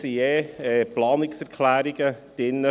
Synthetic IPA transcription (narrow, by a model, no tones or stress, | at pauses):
sieːɛːplɑːnɪksɛɾkʰlæːɾiɡ̥əd̥ɪnːə